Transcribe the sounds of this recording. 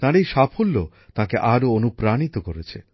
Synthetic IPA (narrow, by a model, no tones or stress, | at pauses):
t̪ãɾejʃapʰolːo | t̪ãkeʔaɾoonupɾanit̪okoɾet͡ɕʰḛ